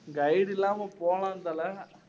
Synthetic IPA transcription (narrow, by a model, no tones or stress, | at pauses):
ŋɡɐɪɽɪlːaːmɐpoːlãːnd̪aːlɐ